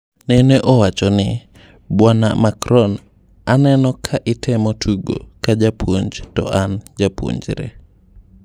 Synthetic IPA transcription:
nɛneʔɔwat͡ʃɔnɪ | bwana̰makɾɔn | anɛnɔkʰaʔɪtʰɛmɔtʰuɡo̰kad͡ʒapwoɲd͡ʒtɔ̰ʔand͡ʒapwo̰ɲd͡ʒɾɛ̰

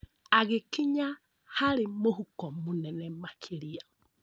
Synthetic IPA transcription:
aɣɪkiɲa | haɾɪmohukɔmunɛnɛmakʰiɾia

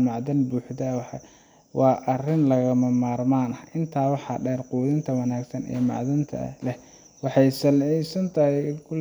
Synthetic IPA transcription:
mɑʕðɐnbuːħðɐwħɑ | wɑːʔɐrɪnlɐɣɐmɐmaːrmaːnɐʔɪnt̪ʰaːwɑħɑ̰ːɖɛːrquːðɪnt̪ʰɐwɐnaːɡsɐnɛ̰ːmɑ̰ʕðɐnt̪ʰɐ̰lɛh | wɑħɑjsɐlʕisɐnt̪ʰɐɦɪkʰʊl

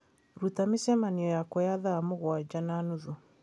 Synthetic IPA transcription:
ɾutamisɛmaniɔjakɔjaðaːmoɣwad͡ʒananuðu

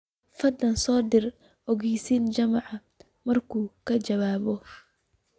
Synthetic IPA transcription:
fɐd̪ɐnsɔːd̪ɪr | ɔɣɛjsiːnt͡ʃɐmɑʕɑ | mɐrkʰuːkʰɐt͡ʃɐβaːβɔ

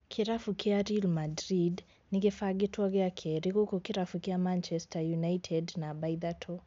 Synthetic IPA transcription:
kʰiɾafukʰiaɾilmadɾid | niɡɛfaɡituɔɡɛakʰɛɾikukɔkiɾafukiamant͡ʃɛstʰajunaitʰɛdnabajðatʰɔ

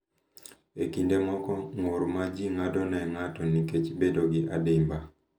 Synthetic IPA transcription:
ekindemɔkɔŋoɾmad͡ʒiŋadɔnɛŋatɔniket͡ʃbedoɡɪʔadɪmba

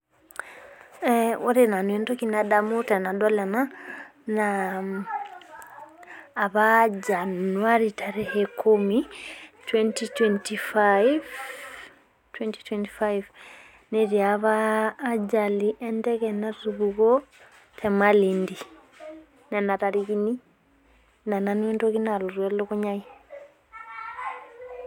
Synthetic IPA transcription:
ɛɔɾinanwɛndɔkinaɗamutɛnaɗɔlɛnana | βad͡ʒanuaɾitaɾɛhɛkʰumitwɛntitwɛntifajv | twɛnti̥twɛnti̥fajv | nɛɾjaβaːd͡ʒaliʔɛndɛɣɛnaruβuɣɔ | tʰɛmalindi | nanaɾaɾiɣini | nananɛndoɣinaluɾwɛluɣuɲai

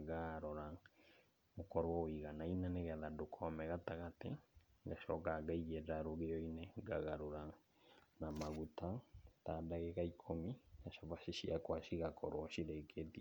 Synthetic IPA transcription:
ɣaɾɔɾa | okɔɾwɔwiɣanainaneɣɛðadokʰɔmɛɣataɣatɛɡaʃɔkaɡaiɣɛɾaɾoɣeɔineɡa̰ɣaɾoɾa | namaɣutʰataːdaɣeɣaikʰomiɡaʃavasiʃiakwaʃiɣakʰɔɾɔʃiɾekʰetia

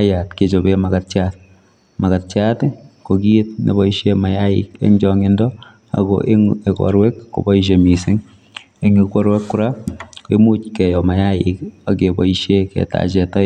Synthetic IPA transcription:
ajatket͡ʃobemakatt͡ʃat | makatt͡ʃatkokietnḛbɔiʃemajaɪ̰kḛŋd͡ʒɔŋɪndɔ | a̰ɡo̰ʔeŋekɔ̰ɾwɛkːo̰bɔiʃ̬emisɪŋ | eŋikɔɾwɛkːuɾakemut͡ʃkɛjɔmajaɪkakebɔiʃjekɛ̰ta̰t͡ʃɛta

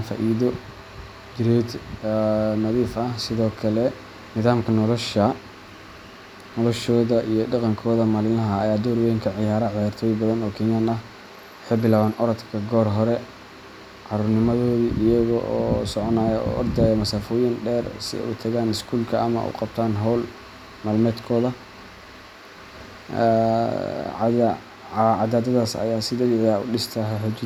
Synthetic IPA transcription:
fa̰ːʔiːðɔ | d͡ʒɪɾɛːd̪ | nɐðiːfʔɐhsɪðɔːkʰɐlɛ | nɪðaːmkʰɐnɔlɔʃɐ | nɔlɔʃɔːðɐʔijɞɖɑqɑŋkʰɔːðɐmalɪlɐɦɐːjaːd̪ɔːɾwɛjɪŋkʰɐʕɪjaːɾɐʕɪjaːrt̪ʰɔːjbɐðɐnɔːkʰɛnjaːnɐh | ħɛbɪlaːβaːnʔɔɾɐt̪kʰɐɡɔːrɦɔɾɛ | ʕɑɾʊrnɪmɐðɔːðiʔɪjɐɣɔʔɔːsɔʕɔnaːjɐɔ̰ːʔɔrd̪ɛːjɐmɐsaːfɔːjɪnɖɛːrsɪ̰ɛ̰ṵt̪ʰɐɣaːnɪskʰuːlkʰɐʔɐ̰mɐ̰ʔṵqɑb̥̚t̪ʰaːnɦɔl | malmɛːd̪kʰɔːðɐ | ʕɑd̪aːd̪ɐðaːsɐ̰jaːsɪd̪ɛðɪʕjaːʊ̰ɖɪst̪ʰɐɦɛħʊd̪uː

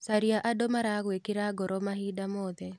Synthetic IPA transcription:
saɾiaʔadomaɾaɣwekɪɾaɡɔɾɔmaɦidamɔðɛ

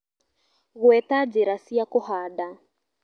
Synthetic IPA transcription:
ɣuɛtad͡ʒɛɾasiakɔhaɗa

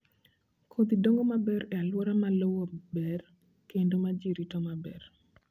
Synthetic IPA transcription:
kʰod̪idoŋɡomabɛɾɛalwoɾamalowobɛr | kendomad͡ʒiɾitɔmabɛr

